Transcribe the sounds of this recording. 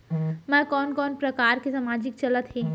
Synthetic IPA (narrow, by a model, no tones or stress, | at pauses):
mɛ̃kɔːnkɔːnpɾɐkaːɾkesamaːd͡ʒɪk̚t͡ʃɐlət̪ɦɛː